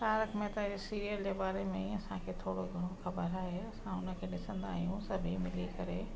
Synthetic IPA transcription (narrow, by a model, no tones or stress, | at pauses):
t̪aːɾəkʰmẽt̪ɐesiːɾijəld͡ʑeːbaːɾemẽɐsãkʰeːt̪ʰoːɽoɡʱɐɽ̃oxɐbəɾaːɦeɐsãʊnə̆kʰeːɗɪsə̃nd̪aːɦijũsɐbʱimɪlikɐɾe